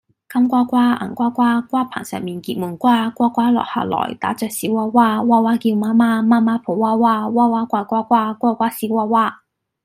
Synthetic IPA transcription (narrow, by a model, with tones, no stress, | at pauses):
kɐ˥mkʷaː˥kʷaː˥a̰˨˩ŋkʷaː˥kʷaː˥kʷaː˥pʰa̰ː˨˩ŋsœ̰ː˨˩ŋmiː˨nkiː˧t̚mu˨˩nkʷaː˥kʷaː˥kʷaː˥lɔ̰ː˨k̚ha̰ː˧˩lɔ̰ː˨˩jt̪a̰ː˨˥t͡ʃœː˨k̚siː˨˥waː˧˥waː˥waː˥waː˥kiː˧wmaː˥maː˥maː˥maː˥pʰo˨˩waː˥waː˥waː˥waː˥kʷaː˧kʷaː˥kʷaː˥kʷwaː˥kʷaː˥siː˨˥waː˧˥waː˥